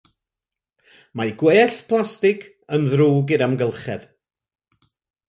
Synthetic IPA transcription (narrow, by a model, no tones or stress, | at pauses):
majɡweːɬpʰlˠastɪkʰ | ənðruːɡɪɾamɡəlˠχɛ̰ð̥